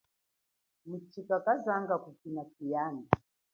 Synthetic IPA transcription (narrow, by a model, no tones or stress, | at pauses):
mut͡ʃikakazaŋɡakukinakijana